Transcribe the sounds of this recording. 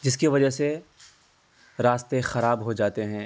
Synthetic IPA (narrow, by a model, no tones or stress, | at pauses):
d͡ʒɪskiʋɐd͡ʒəɦse | ɾaːst̪exɐɾaːbɦod͡ʒaːt̪eɦɛ̃ː